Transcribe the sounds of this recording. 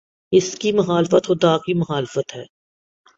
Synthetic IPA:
ɪskimʊxaːlɪfət̪xʊd̪aːkimʊxaːlɪfət̪ɦɛː

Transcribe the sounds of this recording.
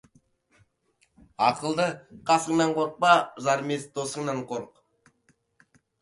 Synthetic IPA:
ɑqəlˠd̪əqʰɑsəɴŋnɑɴqʰoɾq̚pɑzɑɾmesd̪̥osəɴnɑɴqʰoɾq

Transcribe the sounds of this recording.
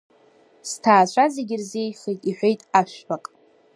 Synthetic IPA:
stʰaːt͡ʃʷʰazeɡʲɪrze̞jχejtʼiħʷᶣejtʼaʃᶣbaqʼ

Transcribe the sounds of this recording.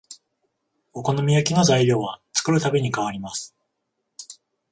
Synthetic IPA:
oko̞no̞mʲijakʲino̞zaiɾʲo̞ːβat͡sɨ̥kɯ̟ɾɯ̟t̪abʲe̞ɲ̟ikaβ̞aɾʲimasɨ̥

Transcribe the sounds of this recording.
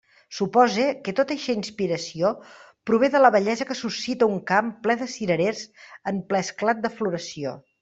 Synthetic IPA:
supɔzekət̪ot̪əʃɛinspiɾəsio | pɾuβ̞eðələβəʎɛzəkəsusit̪əuŋkamplɛðəsiɾəɾezəmplɛsklat̪̚d̪əfluɾəsio̰

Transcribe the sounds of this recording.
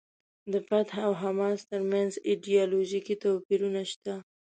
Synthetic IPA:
d̪əpat̪awɦamɑst̪əɾmanziɖijɑloʒikit̪opiɾunaʃt̪a

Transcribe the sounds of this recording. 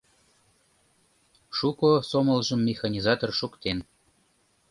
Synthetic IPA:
ʃukosomə̆lʒəmːexɑnʲizɑt̪orʃukt̪en

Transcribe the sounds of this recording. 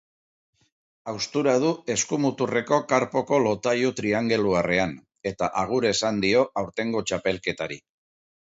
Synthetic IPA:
awst̪uɾað̞ue̞skumut̪ure̞ko̞kaɾpo̞ko̞lo̞t̪aʎut̪ɾiaŋɡe̞luare̞an | e̞t̪aʔaɣ̞uɾe̞sand̪io̞ʔawɾt̪e̞ŋɡo̞t͡ʃape̞lke̞t̪aɾḭ

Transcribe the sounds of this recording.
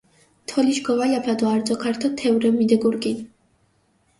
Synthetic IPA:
t̪ʰɔliʃɡɔvalapʰad̪ɔaɾd̪zɔkʰaɾt̪ʰɔt̪ʰɛvɾɛmid̪ɛɡuɾɡin

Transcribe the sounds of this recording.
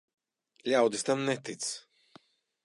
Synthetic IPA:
lʲawd̪ist̪amnɛt̪it̪s

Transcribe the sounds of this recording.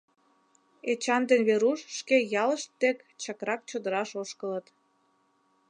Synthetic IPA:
et͡ɕɑnd̪enβeɾuʃːkejɑləʃt̪ːekt͡ɕɑkɾɑk̚t͡ɕod̪əɾɑʃoʃkələt̪

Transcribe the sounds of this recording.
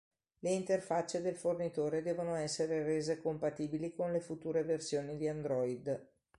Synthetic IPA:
leint̪erfat͡ʃːed̪elfornit̪oːɾed̪ɛːvonoɛsːeɾereːzekompat̪iːbilikonlefut̪uːɾeversjoːnid̪iand̪ɾɔid̪

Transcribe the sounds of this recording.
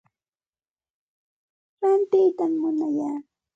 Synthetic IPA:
ɾant̪ɪjt̪amːʊnajaː

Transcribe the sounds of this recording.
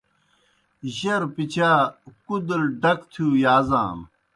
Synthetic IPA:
ʑɐɾpit͡ɕʰaːkud̪lɖɐkt̪ʰjuːjaːza̰ːm

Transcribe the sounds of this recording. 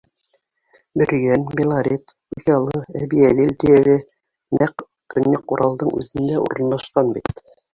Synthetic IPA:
bɘ̆ɾ̆jænbʲelˠaɾʲet̪ | ujɑlˠɤæβiælilt̪ɘ̆jæɡɘ | næq | kɵ̆nːæquɾʔɑlˠd̪ɤɴʉ̰ðɘ̆nd̪æṵɾ̆nːɑʃqɑnbit̪

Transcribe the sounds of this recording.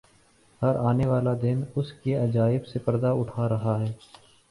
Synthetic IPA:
hɐɾaːneʋaːlad̪ɪnʊskeɐd͡ʒaːɪbsepɐɾd̪aʊʈʰaɾɐɦaɦɛː

